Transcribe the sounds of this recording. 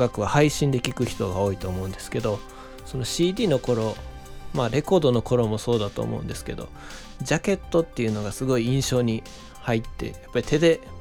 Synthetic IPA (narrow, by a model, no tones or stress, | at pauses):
ɡakɯ̟βahaiɕĩnd̪e̞kʲikɯ̟çi̥t̪o̞ɡao̞ːit̪o̞ːmo̞ɯ̟̃nd̪e̞sɨ̥ke̞d̪o̞ | so̞no̞ɕiːd̪ʲiːno̞ko̞ɾo̞ | maɾe̞ko̞ːd̪o̞no̞ko̞ɾo̞mo̞so̞ːd̪at̪o̞̰ːmo̰ɯ̟̰̃nd̪e̞sɨ̥ke̞d̪o̞̰ | d͡ʑake̞t̪ːo̞t̪ːe̞iɯ̟no̞ɡasɨɡo̞iĩɰ̃ɕo̞ːɲ̟i | hait̪ːe̞̰japːaɾʲit̪e̞d̪e̞